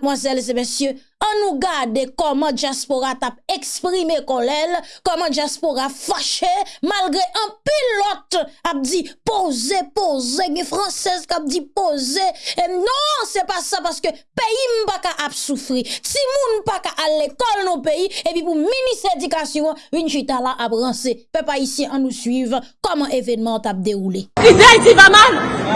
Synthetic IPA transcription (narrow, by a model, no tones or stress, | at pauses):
mwazɛls̬emesjø | ɐ̃nũɡadekɔmɑ̃d͡ʒjaspoʁat̪ap̚ekspʁimekɔlɛlkɔmɑ̃d͡ʒjaspoʁafaʃemalɡʁeʔɐ̃pillɔt̪ap̚d͡zipozepozeɡɛ̃fʁɑ̃sɛzkap̚d͡zipozenɔ̃sɛpasapaskøpejim̩pakaʔapsufʁitimũnpakaʔalekɔlnɔ̃peiepipuminisedykasjɔ̃ãvinʒit̪alaʔapɣɐ̃sepøpaisjɛ̃ʔɐ̃nũsɥivkɔmɐ̃ʔevɛnmɑ̃t̪ap̚d̪eɣulekizĩaitivamal